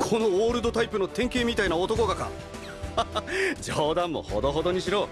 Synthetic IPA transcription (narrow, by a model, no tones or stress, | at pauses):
kʰo̞no̞oːɾɯ̟d̪o̞t̪aipɯno̞t̪ẽ̞ŋke̞ːmʲit̪ainaot̪o̞ko̞ɡaka̰ | d͡ʑoːd̪ãmːo̞̰ho̰d̪o̞ɦo̞d̪o̞ɲ̟iɕiɾo̞ː